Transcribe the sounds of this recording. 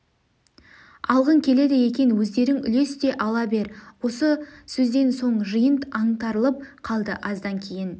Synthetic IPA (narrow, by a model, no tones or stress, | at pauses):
ɑlˠʁəŋkʲʰe̞le̞d̪eje̞kʲe̞nwɵzd̪e̞ɾɪŋʏ̰le̞st̪e̞ʔɑlˠɑbe̞ɾwo̞səsɵzd̪e̞nso̞ɴʒəjənt̪ɑɴt̪ɑɾəlˠəp̚qʰɑlˠd̪əʔɑzd̪ɑŋkʲʰe̞jɪn